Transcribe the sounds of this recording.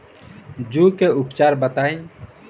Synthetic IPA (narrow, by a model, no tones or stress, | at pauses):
d͡ʒuːkeʊpt͡ʃaːɾbət̪aːĩ